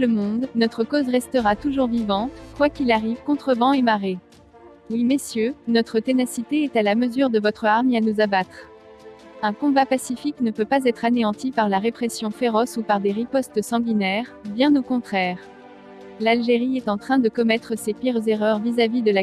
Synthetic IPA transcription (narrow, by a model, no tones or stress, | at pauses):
ləmɔ̃d̪nɔt̪χəkozʁɛst̪əʁat̪uʒuʁvivɑ̃t̪kwakʲilaʁivkɔ̃t̪χəvɑ̃emaʁe | wimesjønɔt̪χət̪enasit̪eɛt̪alaməzyʁd̪əvɔt̪χəaʁmeanuzabat̪χ | ɛ̃kɔ̃bapasifiknəpøpazɛt̪χaneɑ̃t̪ipaʁlaʁepχɛsjɔ̃feʁɔsupaʁd̪eʁipɔst̪sɑ̃ɡlinɛʁbjɛ̃nokɔ̃t̪χɛːʁ | lalʒeʁiɛt̪ɑ̃t̪χɛ̃d̪əkɔmɛt̪χəsepiʁzeʁœʁvizavid̪əla